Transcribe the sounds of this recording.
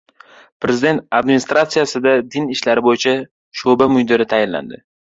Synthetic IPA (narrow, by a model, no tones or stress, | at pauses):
pɾe̞zɪd̪e̞nt̪ad̪mɪnɪst̪ɾat̪sijasɪd̪ad̪ɪnɪʃlaɾɪbojɪt͡ʃʰa | ʃobamʊjd̪ɪɾɪt̪ʰajɪnla̰nd̪ɪ̰